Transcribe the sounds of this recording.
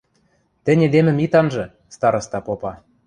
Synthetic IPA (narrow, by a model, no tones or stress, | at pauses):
t̪ɘ̆nʲed̪emɘ̆mit̪ɑnʒɤ̆ | st̪ɑɾɤ̆st̪ɑpopɑ